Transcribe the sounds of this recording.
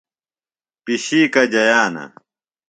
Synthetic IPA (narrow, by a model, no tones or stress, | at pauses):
piɕiːkɐd͡ʑɐjaːnɐ̰